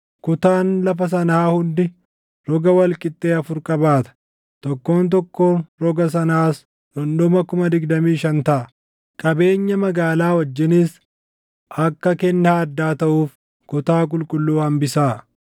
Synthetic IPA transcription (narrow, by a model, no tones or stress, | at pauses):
kʊt̪aːnlɐfɐs̬ɐnaːhʊnd̪ɪ | ɾɔɡɐwɐlkʼɪt̪ʼːeːɐfʊɾkʼɐbaːt̪ɐ̥ | t̪ɔkːo̞ːnt̪̬ɔkːoːɾɔɡɐs̬ɐnaːs | dɔnd̪ɔmɐkʊmɐd̪ɪɡd̪ɐmiːʃɐnt̪ɐʔɐ | kʼɐbe̞ːɲːɐmɐɡaːlaːwɐd͡ʒːɪniːs | ʔɐkːɐkɛnːaːɐd̪ːaːt̪ɐʔuːf | kʊt̪aːk̬ʼʊlkʼʊlːuːhɐmbɪsaː